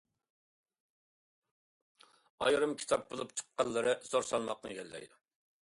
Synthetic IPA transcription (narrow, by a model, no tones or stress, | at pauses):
ɑ̰jɾɨmkʲʰi̥t̪ʰɑp̚bolˠupt͡ʃʰə̥qːɑlˠːɨɾɨsoɾsɑlˠmɑq̚nɨ̰kʲɛlːɛ̰jd̪u